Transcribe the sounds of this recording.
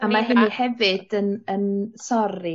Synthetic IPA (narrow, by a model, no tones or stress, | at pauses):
amaɦɪnihɛvɨd̥ənənsɔɾi